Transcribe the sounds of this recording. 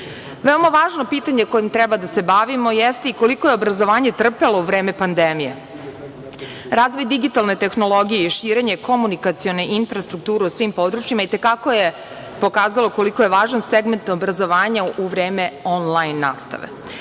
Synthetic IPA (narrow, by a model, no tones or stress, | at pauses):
ʋeomaʋaːʒno̞piːt̪aɲeko̞jimt̪ɾɛbad̪ase̞baʋimo̞jest̪e̞iko̞liko̞je̞obɾazo̞ʋaːɲe̞t̪r̩pelouʋɾeːme̞pand̪emijḛ | ɾaːzʋo̞jd̪iɡit̪alˠne̞t̪e̞xno̞lˠo̞ɡijeiʃiːɾe̞ɲe̞kʰo̞munikat̪sio̞ne̞ʔinfɾast̪ɾuk̚t̪uːɾeusʋimpo̞d̪ɾut͡ʃjimait̪e̞kako̞je | po̞kaːzalo̞ko̞liko̞jeʋaːʒanseɡme̞nt̪obɾazo̞ʋaːɲauʋɾe̞ːme̞onlajnːa̰ːst̪a̰ʋḛ